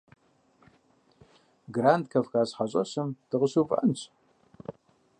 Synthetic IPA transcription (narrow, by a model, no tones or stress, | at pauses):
ɡraːndkʰɐfxaːɕħaɕʼɐ̰ɕɨmd̥ɨʁəɕuːpʼɐ̰nɕʼ